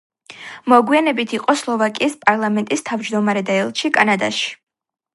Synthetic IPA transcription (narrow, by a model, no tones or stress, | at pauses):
mɔɡwianɛbit̪ʰiqʼɔslˠɔvakʼiːspʼaɾlˠamɛnt̪ʼist̪ʰavd͡ʒd̪ɔmaɾɛd̪aɛlˠʃikʼanad̪aʃi̥